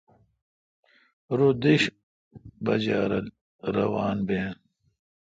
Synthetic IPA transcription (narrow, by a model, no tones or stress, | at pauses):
ɾod̪iɕ | bɐ̰d͡ʑaːɾɐl | ɾɐ̰waːnbeːn